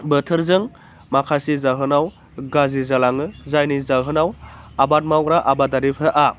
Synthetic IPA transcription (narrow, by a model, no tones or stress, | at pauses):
bətʰɯɾzɯŋ | makʰasizaɦɯnaw | ɡazizalaŋɯzajnizaɦɯnawabat̚mawɡɾaʔabadaɾipʰɾaʔa